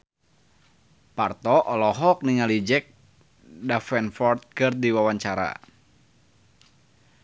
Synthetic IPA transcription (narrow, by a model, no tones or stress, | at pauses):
part̪ɔʔɔlɔɦɔk̚niŋalid͡ʒɛk̚ | dafɛnfɔrt̪̚kɨrdiwawaɲt͡ʃaɾa̰